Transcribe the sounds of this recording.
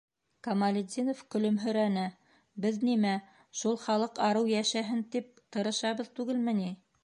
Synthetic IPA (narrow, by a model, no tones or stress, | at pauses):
kɐmɐlʲɪd̪ʲinofkɵ̆lɵmɦɵ̆ɾænɘ | bɘðnimæ | ʃulˠχɑlˠɤqɑɾɤwjæʃæɦɘnt̪ip̚t̪ɤ̆ɾɤ̆ʃɑβɤðt̪ʉɡɘlmɘ̆ni